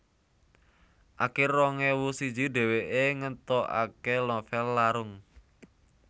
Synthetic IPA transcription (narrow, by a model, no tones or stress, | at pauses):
ʔakɪrɔŋewusid̥d͡ʒiɖ̪ɛ̤weʔeŋənt̪ɔʔa̰kelɔfɛlːaɾʊŋ